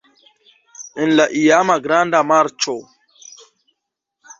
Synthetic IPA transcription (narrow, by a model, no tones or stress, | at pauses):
inlaʔijaːmaɡɾand̪amaɾt͡ʃo